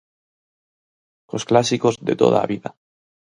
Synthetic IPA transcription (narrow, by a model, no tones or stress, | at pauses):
ko̞sklasiko̞zðe̞t̪o̞̰ð̞a̰βiða